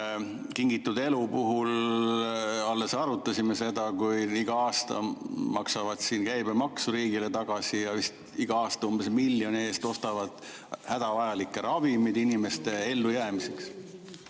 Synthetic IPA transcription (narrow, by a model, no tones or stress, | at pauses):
kiŋɡ̥it̪ːˑud̪e̞lupuɦul | ɑlːe̞sɑɾut̪ːˑɑsʲimese̞d̪ɑkujiɡ̥ɑɑːst̪ɑ̰mɑksɑvɑd̪̥siːnkæjbemɑksuɾiːɡ̥ile̞t̪ɑɡ̥ɑsijɑvist̪ | iɡ̥ɑɑːst̪ɑumb̥e̞smilːjo̞nieːst̪o̞st̪ɑvɑd̪̥ | hæd̪̥ɑvɑjɑlikˑːeɾɑvimid̪̥inime̞st̪e̞e̞lːujæːmise̞ks